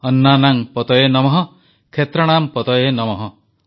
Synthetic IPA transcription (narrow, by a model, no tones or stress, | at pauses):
ɔnːanaŋpɔt̪ɔjenɔmɔɦɔ | kʰet̪ɾɔɽ̃ampɔt̪ɔjenɔmɔɦɔ